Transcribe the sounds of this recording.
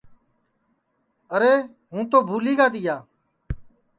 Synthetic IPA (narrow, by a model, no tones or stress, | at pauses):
əɾeː | ɦũːt̪oːbʱuːliːɡaːd̪ɪjaː